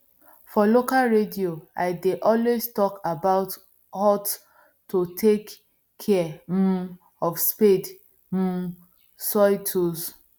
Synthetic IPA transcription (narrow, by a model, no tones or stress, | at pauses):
fɔlokalɹedioa̰ɪdeʔɔlwestɔkabaʊt | hɔt | tːotʰek | kʰːɛm̩ | ɔfsped | m̩ | sɔɪtʰus